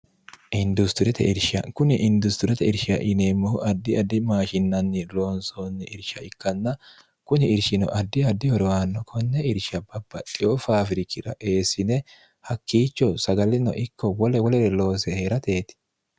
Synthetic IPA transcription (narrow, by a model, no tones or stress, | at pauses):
ʔɪnd̪ʊst̪ʊɾɛt̪ɛ̰ɪɾʃɐ̰kʊnɪʔɪnd̪ʊst̪ʊɾɛt̪ɛɪɾʃɪɐʔɪneːmːɔhʊʔɐd̪ːɪɐd̪ːɪmaːʃɪnːɐnːɪloːnsoːnːɪʔɪɾʃɐɪkːɐnːɐ | kʊnɪɪɾʃɪnɔ̰ʔɐd̪ːɪɐd̪ːɪhɔɾɔwaːnːɔkʰɔnːɛɪɾʃɐbɐbːɐt̪ʼːɪofaːfɪɾɪkɪɾɐ̰ʔe̞ːsɪnɛ | hɐkːiːt͡ʃːɔsɐɡɐlɪnɔ̰ʔɪkːɔwɔlɛwɔlɛɾɛlo̞ːsɛheːɾɐt̪e̞ːt̪ɪ̥